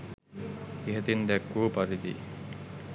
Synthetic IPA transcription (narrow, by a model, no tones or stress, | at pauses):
iɦɐt̪ind̪ɛkːuːpɐɾid̪ḭ